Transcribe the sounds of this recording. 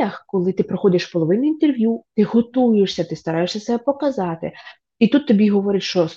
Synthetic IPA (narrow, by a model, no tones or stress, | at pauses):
ɐxkɔlˠɪt̪ɪpɾɔxɔdʲɐʃpɔlˠɔʋɪnʊint̪erʋʲjut̪ɪɦɔt̪ujeʃsʲɐt̪ɪst̪ɐɾɑjeʃsʲɐt̪sɛpɔkɐzɑt̪ɪ̰ | it̪ut̪ːɔbʲiɦɔʋɔɾʲɪt̪ʲʃt͡ʃɔ